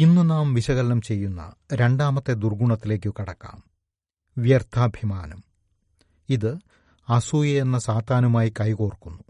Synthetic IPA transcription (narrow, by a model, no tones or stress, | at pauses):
inːɨnaːmʋiɕɐɣɐlɐnɐmt͡ɕe̞jːunːɐ̰ɾe̞ɳɖaːmɐt̪ːe̞d̪urɡuɳɐt̪ːile̞ːk̬ʲːukiɽɐkːa̰ːm | ʋjɐrt̪ʰaːbʱjimaːnɐm | iðɨ | ɐsuːjɐenːɐsaːt̪aːnɐmaːjikɐjkoːrkːunːu